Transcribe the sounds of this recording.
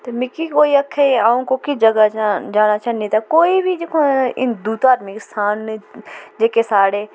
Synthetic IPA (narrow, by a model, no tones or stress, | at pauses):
t̪emɪkikoːiɐkʰːeaːõkokɪd͡ʒɐɡad͡ʒaːnat͡ʃʰɐnĩt̪akoːibʱid͡ʒeːkʰõɪ̰nd̪uːt̪aːd̪mikɪst̪ʰaːn | d͡ʒeːkesaːɽeː